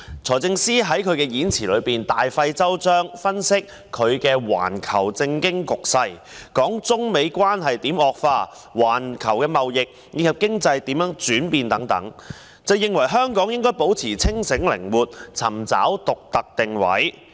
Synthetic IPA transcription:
t͡sʰɔː˨˩t͡sɪ˧ŋsiː˥ɦɐ˨˥jkʰɵ˨˧ɥkɛː˧jiː˨˥nt͡sʰiː˨˩lɵ˨˧ɥpiː˨˩nt̪aː˨jfɐ˧jt͡sɐ˥wt͡ʃœː˥ŋfɐ˥nsɪ˥k̚ʰɵ˨˧ɥkɛː˧wa̰ː˨˩nkʰɐ˨˩wt͡sɪ˧ŋkɪ˥ŋkʊ˨k̚sɐ˧jkɔː˨˥ŋt͡sʊ˥ŋme˨˧jkʷwaː˥nɦɐ˨jt̪iː˨˥mɔː˨k̚faː˧ | waː˨˩nkʰɐ˨˩wkɛː˧mɐ˨wjɪ˨k̚ | jiː˧˥kʰɐ˨p̚kɪ˥ŋt͡sɐ˧jt̪iː˨˥mjœː˨˥ŋt͡ʃyː˨˥npiː˨nt̪ɐ˨˥ŋt̪ɐ̰˨˥ŋ | t͡sɐ˨wjɪ˨ŋwɐ˨˩jɦœː˥ŋkɔː˨˥ŋjɪ˥ŋkɔː˥jpo˨˥wt͡sʰiː˨˩t͡sʰɪ˥ŋsɪ˨˥ŋlɪ̰˨˩ŋwuː˨t̚t͡sʰɐ˨˩mt͡sa̰ː˨˥wt̪ʊ˨k̚t̪ɐ˨k̚t̪ɪ˨ŋwɐ̰˨˥j

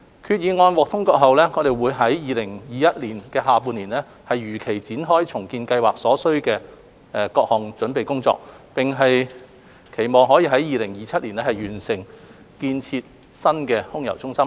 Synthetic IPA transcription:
kʰyː˧t̚jiː˨˧ŋɔː˧nwɔː˨k̚t̪ʰʊ˥ŋkɔː˧k̚ɦɐ˨wlɛː˥ŋɔː˨˧d̪e˨jwuː˨˧jɦɐ˨˥jjiː˨˧lɪ˨˩ŋjiː˨˩jɐ˥t̚liː˨˩nkɛː˧ɦaː˨puː˧nliː˨˩nlɛː˥ | hɐ˨jɥyː˨˩kʰe˨˩jt͡siː˨˥nɦɔː˥jt͡sʰʊ˨˩ŋkiː˧nkɐ˧jwaː˨k̚sɔː˨˥sɵ˥ɥkɛː˧ | ɛ˨˧kɔː˧k̚hɔː˨˩ŋt͡sɵ˨˥npe˨jkʊ˥ŋt͡sɔ̰ː˧k̚pɪ˨ŋɦɐ˨j | kʰe˨˩jmɔː˨ŋɦɔː˨˥jiː˧ɦɐ˨˥jjiː˨˧lɪ˨˩ŋjiː˨t͡sʰɐ˥t̚liː˨˩nlɛː˥hɐ˨jyː˨˩nsɪ˨˩ŋ | kiː˧nt͡sʰiː˧t̚ | sɐ˥nkɛː˧hʊ˥ŋjɐ˨˩wt͡sʊ˥ŋsɐ˥m

